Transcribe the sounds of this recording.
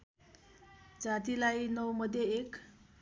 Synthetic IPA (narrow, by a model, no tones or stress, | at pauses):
d͡zat̪ilajnʌwmʌd̪ʱjeek